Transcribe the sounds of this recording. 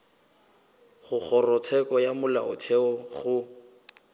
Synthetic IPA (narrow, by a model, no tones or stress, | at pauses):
χʊk͡xɔrɔt͡sʰɛkɔjamʊla̰ʊ̰tʰɛɔɣʊ